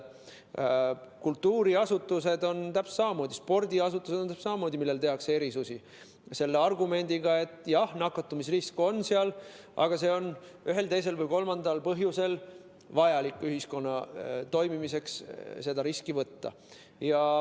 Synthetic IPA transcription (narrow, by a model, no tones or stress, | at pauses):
kult̪ːuːɾiɑsut̪ˑːuse̞d̪o̞nt̪æpssɑmɑmo̞ːd̪̥ʲispo̞rd̪̥iɑsut̪ːˑused̪onæpsɑmɑmoːd̪̥ʲimilːe̞lt̪eɦɑksee̞ɾisusi | se̞lːeɑrɡume̞nʲd̪̥iɡ̥ɑe̞t̪ːˑjɑhnɑkːɑt̪ːumis̬risko̞nːseɑl | ɑ̰ɡ̥ɑse̞o̞n | yɦe̞lt̪e̞js̬e̞lvɤjko̞lmɑnd̪ɑlpɤɦjuse̞l | vɑjɑlikːˑyɦisko̞nːɑt̪o̞jmimise̞ksse̞d̪ɑɾiskivɤt̪ːɑ̰ | jɑ